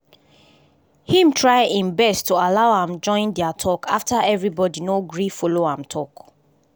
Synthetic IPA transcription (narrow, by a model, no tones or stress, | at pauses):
hĩmtʰɹaɪʔĩnbɛstualaʊhãmd͡ʒɔ̃ɪ̃ndɛatʰɔkʰaftaɛvɹibɔdinoɡɹifɔloãmtʰɔk